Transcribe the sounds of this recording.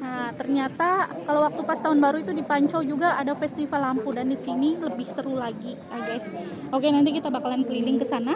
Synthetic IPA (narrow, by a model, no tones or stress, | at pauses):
ət̪ərɲat̪akalawak̚t̪upast̪aɦʊnbaɾuit̪udipaɲt͡ʃawd͡ʒuɡaʔadafɛst̪ifalampudandisiniləbɪhsəɾulaɡi | aɡajs | okenant̪ik̬it̪abakalanpəlilɪŋkəsana